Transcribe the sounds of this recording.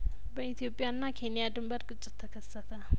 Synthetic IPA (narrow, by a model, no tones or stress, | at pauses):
bəit̪ʰijopʼːijanːakʰenijad̪ɨmbəɾɡʼɨt͡ʃʼːɪt̪ʰːəkʰəsːət̪ʰə